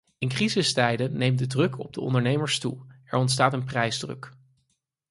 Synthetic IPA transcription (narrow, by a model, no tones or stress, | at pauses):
ɪnkrizɪstɛjdənejmdədrɵkʰɔ̰b̚dəɔ̰ndəɹnejməɹstuɛ̰ɹɔntstaːtənprɛjzdrɵ̰k